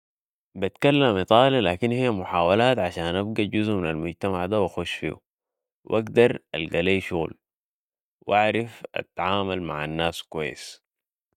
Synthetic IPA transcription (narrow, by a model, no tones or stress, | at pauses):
bit̪kalːamːit̪ˤɑːlilaːkinhijːamʊħaːwalaːt̪ʕaʃaːnʔabɡaɟuzʔminalmʊɟt̪amaʕd̪awaxuʃfḭːṵ | wʔaɡd̪ɑɾˤa̰lɡaleːʃuɣl | wʔaʕɾˤafa̰t̪ːaʕaːmalma̰ʕanːaːskuwajːḭs